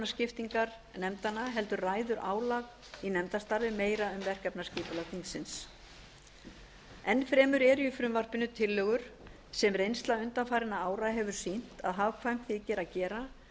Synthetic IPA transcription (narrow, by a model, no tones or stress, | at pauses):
nascɪft̪iŋkaɾ | nɛmt̪anːaɦɛlt̪ʏɾraːjðʏɾʔaːwlaɣ | inɛmt̪ast̪aɾvɪmeːjɾaʏmvɛr̥kɛpnasciːpʏlat̪iŋsɪns | ɛnːfɾɛːmʏɾɛːɾjʏfɾʏmvar̥pɪnːʏt̪ʰɪlːœːɣʏɾ̥ | sɛmrejnst̪laʏnt̪anfaːjɾɪnaaːwɾaɦɛvʏɾ̥sin̥t̪a̰ðɦavkʰvajm̥tθicɛːɾacɛːɾa